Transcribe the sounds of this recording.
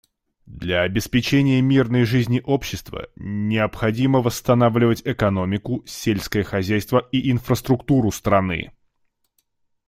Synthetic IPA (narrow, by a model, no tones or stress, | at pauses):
d̪lʲɐːbʲɪspʲɪt͡ɕenʲɪjəmʲirnəjʐɨzʲnʲɪʔo̞pɕːɪst̪və̰nʲɪəpxɐdʲiməvəst̪ɐnavlʲɪvətʲɛkɐno̞mʲɪkʊsʲelʲskəjəxɐzʲæjst̪vəiʔɪnfɾəst̪ɾʊkt̪uɾʊst̪ɾɐnɨ̰